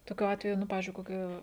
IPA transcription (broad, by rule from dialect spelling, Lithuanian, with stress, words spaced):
toːˈkʲʊ ˈɑːtʲʋʲɛjʊ ˈnʊ ˈpɑːʋʲɪzʲd͡ʒʲʊɪ koːˈkʲɪ